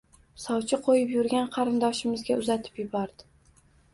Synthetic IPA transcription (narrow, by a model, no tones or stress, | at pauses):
sɒwt͡ʃʰɪqʰojɪpjʊɾɡʲanqʰɑɾɪnd̪ɒʃɪmɪzɡʲaʊzat̪ʰɪ̥pjɪbɒɾd̪̥ɪ